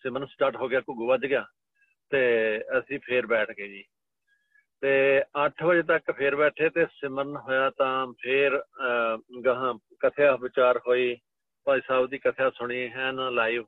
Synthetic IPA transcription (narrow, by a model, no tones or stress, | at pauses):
sɪmənsʈaːɾʈɦoːɡɪjaːkʊɡuːʋəd͡ʒ̪ɡɪjaː | t̪eːəsĩːpʰɪɾbɛːʈʰɡeːd͡ʒiː | t̪eːəʈʰbəd͡ʒeːt̪əkpʰɪɾbɛːʈʰeːt̪eːsɪməɾnɦoːjaːt̪ãːpʰɪɾ | ɡəɦãː | kət̪ʰejaːbɪt͡ʃaːɾɦoːiː | pãːisaːbd̪iːkət̪ʰejaːsʊɳ̃iːɦɛ̃ːnlaːiːʋ